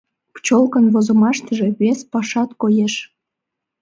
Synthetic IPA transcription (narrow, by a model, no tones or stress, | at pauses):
pt͡ɕolkənβozomɑʃt̪əʒe̽βespɑʃɑt̪kojeʃ